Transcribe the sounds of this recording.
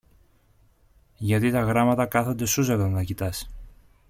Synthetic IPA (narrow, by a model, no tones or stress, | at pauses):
ʝɐt̪it̪ɐɣɾɐmɐt̪ɐkɐθo̞nd̪e̞suzɐt̪ɐnnɐcit̪ɐs